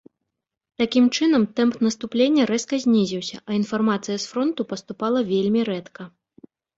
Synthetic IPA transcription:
t̪akʲimt͡ʂɨnɐmt̪ɛmpt̪nɐst̪uplʲenʲːɐɾɛskɐzʲnʲizʲiwsʲɐ̰ʔɐinfarmat̪sɨjɐsfɾɔnt̪upɐst̪upalˠɐvʲelʲmʲiɾɛt̪kɐ

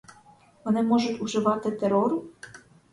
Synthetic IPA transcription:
ʋɔnɪmɔʒʊtʲuʒɪʋɑt̪ɪt̪eɾɔɾu

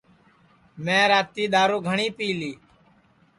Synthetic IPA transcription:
mẽːɾaːt̪iːɗ̪aːɾoːɡʱəɳiːpiːliː

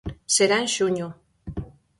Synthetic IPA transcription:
seɾanʃuɲo

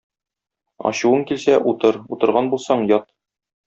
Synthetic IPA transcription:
ɒ̰ɕuwɤŋkilsæʔut̪ɤɾut̪ɤ̆ɾʁɑnbulˠsɑɴjɒt̪̚

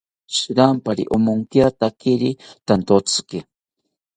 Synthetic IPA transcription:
ʃiɾampaɾḭʔomoŋkjat̪akiɾit̪ant̪ot͡ski

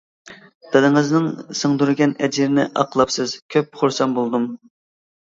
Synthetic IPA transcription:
d̪̥ɨd̪ɪŋɨznɪŋsəŋd̪uɾɨɡʲɛnɛd͡ʒiɾɪnɪʔɑqlˠɑpsɨzkʲʰøp̚χʊɾsɑnbolˠd̪um

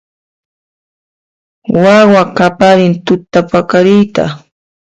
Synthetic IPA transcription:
wawakapaɾɪnt̪ʊt̪ːapakaɾɪjt̪a̰

